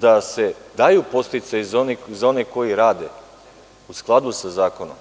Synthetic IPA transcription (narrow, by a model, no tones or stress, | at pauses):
d̪ase̞d̪ajupo̞st̪it̪sajzonizo̞neko̞jiɾaːd̪e | usklˠad̪usazaːkonom